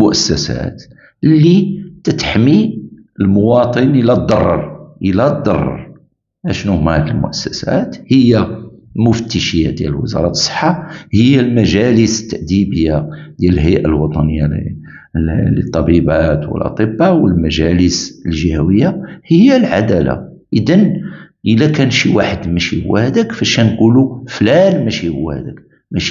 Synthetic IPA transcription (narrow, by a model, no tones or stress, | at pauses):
mʊʔæsːæsæ̰t̪ | lːit̪ət̪ħmi | əlmʊwɑt̪ˤənʔəlæd̪ˤɑrˤːɑɾˤʔəlæd̪ˤːɑrˤːɑ̰ɾˤ | ʔæʃnumæhd̪əlmʊ̰ʔæsːæsæ̰t̪həjːalmʊft̪iʃəja̰d̪jæ̰ləlwə̰zɑ̰ɾˤɑt̪sˤːə̥ħːahəjːalmæʒæləsə̥t̪ːaʔd̪ibəjːad̪jæləlɦəjʔalwɑt̪ˤɑnəjːa | lət̪ˤːɑbibæt̪wə̰lʔɑ̰t̪ˤəbːawəlmæʒæləsəlʒihæwəjːahəjːalʕad̪æla̰ʔəd̪ænʔəlːækænʃiwaħəd̪mæʃihʊ̰wːæhæd̪ækfæʃænquluflænmæʃihʊwːhæ̰d̪æk | mæʃ